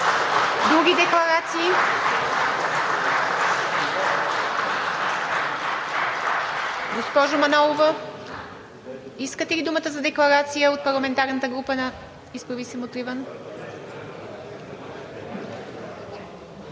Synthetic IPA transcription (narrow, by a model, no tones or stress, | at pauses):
d̪ɾuɡʲid̪ɛklˠɐɾat̪siː | ɡospɔʒʊmɐnɔlˠovə | iskət̪ɛlid̪umət̪əzɐd̪ɛklˠɐɾat̪sijəot̪̚pɐɾlˠɐmɛnt̪aɾnət̪əɡɾupənɐ | isbɾɐvisimot̪ɾivən